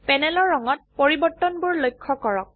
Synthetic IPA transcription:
pɛnɛlɔɹːɔŋɔt̚poɹibɔɹtːɔnbʊɹlojkʰːɔkɔɹɔk̚

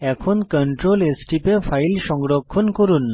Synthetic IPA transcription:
ɛkʰonkəɳʈɾolesʈipefʰajlʃɔŋɡɾokʰːonkoɾunː

